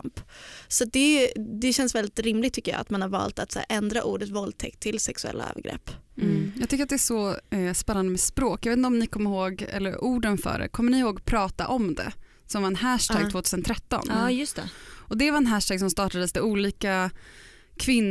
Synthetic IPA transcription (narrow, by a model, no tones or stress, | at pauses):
mpsɔat̪̚d̪ɛd̪ɛɕɛnsvɛld̪ɪt̪ɾɪmlɪɡ̚t̪ʰːʏkːəjɑ̰ːa̰t̪manhaɾvɑ̰ːlt̪at̪sæ̰ːɾʔɛnd̪ɾaʔuːɖət̪vɔld̪̚t̪ʰɛkt̪ʰːɪlsɛksɵɛ̰lːa̰œ̰ːvə̰ɾɡɾɛ̰pːjɑːɡt̪ʏkːɾat̪d̪ɛæʂɔspɛnːand̪əmɛspɾoːkjɑveːt̪nt̪ɔmnɪkʰɔmːəɾhoːɡɛ̰lːə̰ɾuːɖənfœ̰ːɖɛ̰kʰɔmːəɳɪɪhoːɡpʰɾɑːt̪a̰ʔɔmd̪ɛ̰ | sɔmvaɾɛnhæʂʈ̪ʰæːɡ̪̚voːt̪ʰʉːsənt̪ʰɾɛt̪ːɔ̰njɵst̪ɛʔɔd̪ɛvaɾɛnɦæʂʈʰæːɡsɔmst̪ɑːʈad̪əsd̪ɛuːliːka | kʰvɪnː